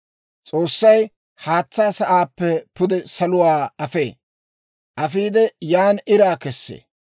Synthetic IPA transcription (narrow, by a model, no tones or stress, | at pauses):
t͡sʼo̞ːsːɐj | haːt͡sːaːsɐʔaːpːɛpʊd̪ɛsɐlʊwaːɐfḛː | ʔɐfiːd̪ɛjaːnɪɾaːkɛsːḛː